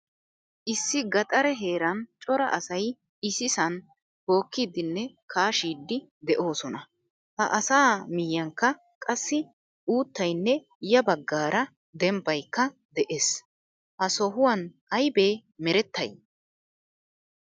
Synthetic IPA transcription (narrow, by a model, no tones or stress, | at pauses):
ʔɪsːɪɡɐt̪ʼɐɾɛɦe̞ːɾɐnt͡ʃʼɔɾɐ̰ʔɐsɐj | ɪsɪsɐn | ho̞ːkːiːd̪ɪnːɛ | kʰaːʃiːd̪ːɪ | d̪ɛʔo̞ːsɔnɐ | hɐ̰ʔɐsaːmɪjːɐŋkːɐ | kʼɐsːɪ | ʔuːt̪ːɐjnːɛ | jɐbɐɡːaːɾɐ | d̪ɛmbɐjkːɐ | d̪ɛʔeːs | ʔɐsɔɦʊwɐnʔɐjbe̞ːmɛɾɛt̪ːɐ̰j